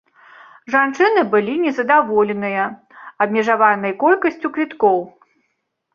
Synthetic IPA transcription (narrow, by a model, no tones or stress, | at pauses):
ʐant͡ʂɨnɨbɨlʲinʲɛzɐd̪avɔlʲɛnɨjɐ | ɐbmʲɛʐavanɐjkɔlʲkɐsʲt͡sʲukvʲit̪kɔw